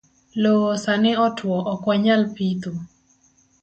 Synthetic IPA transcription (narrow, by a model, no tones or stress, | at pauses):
loosanɪɔtwɔʔɔkwaɲalpit̪u